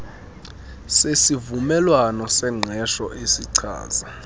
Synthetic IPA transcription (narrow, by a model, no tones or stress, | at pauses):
sesivumɛlwanɔsɛŋ͡ǀʱɛʃɔʔesiǀʰa̰ːz̥a